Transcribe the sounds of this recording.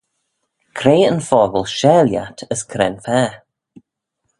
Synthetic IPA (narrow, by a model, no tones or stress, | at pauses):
kʰɾeːənfɔːɡəlˠʃɛːlja̰tʰəskʰɾɛ̰nfɛː